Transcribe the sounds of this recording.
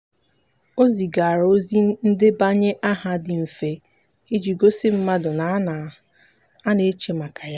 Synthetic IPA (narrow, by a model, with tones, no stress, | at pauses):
o˦zi˨ɡa˨ɾo˦zi˦n̩˦dɪ˦ba˦ɲe˦ʔa˦ɦa˦dɪ˨m̩˨fe˨ | i˦d͡ʒi˨ɡo˦sɪ˦m̩˦ma˦dʊ˨na˨a˦na˨ | a˦ne˦t͡ʃe˨ma˨ka˨ja˦